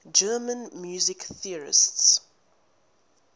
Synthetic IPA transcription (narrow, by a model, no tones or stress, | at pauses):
d͡ʒɜːmə̃nmjuːzɪkθiəɹɪ̰sts